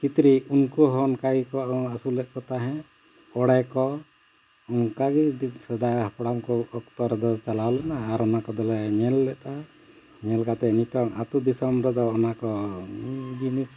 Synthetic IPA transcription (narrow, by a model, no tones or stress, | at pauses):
kit̪ɾiunkɔɦɔnkaɡikɔasulɛʔ̚kɔt̪aɦɛ̃ | ɔɽɛkɔ | uŋkaɡid̪sɛd̪ahapɽamkɔɔkt̪ɔɾɛd̪ɔt͡ʃalawlɛnaːɾɔnakɔd̪ɔlɛɲɛlːɛt̪a | ɲɛlkat̪ɛnit̪ɔŋat̪ud̪isɔmbɾɔd̪ɔːnakɔ | d͡ʒinis